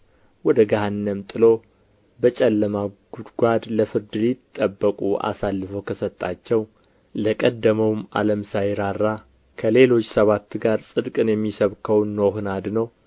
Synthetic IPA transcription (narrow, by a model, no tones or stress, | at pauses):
wɔd̪əɡaɦanːəmt̪ʼɨlo̞ | bət͡ʃʼɛlːəmaɡ̥ud̪ɡʷad̪ləfɨɾd̪ɨlit̪ʼːəbːəkʼuʔa̰salːɨfəwkʰəsət̪ʼːat͡ʃːɛw | ləkʼəd̪ːəməwma̰ləmsajɾaɾːa | kʰəle̞lo̞t͡ʃːsəβat̪ːɡaɾsʼɨd̪kʼɨnjɛmːisəβkʰəwnːoɦnad̪nəw